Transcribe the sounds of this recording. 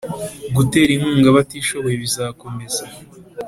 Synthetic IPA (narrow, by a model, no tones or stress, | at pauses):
ɡute̞ːɾiŋ̥uːŋɡaβatiːʃo̞βo̞jeβizaːko̞me̞za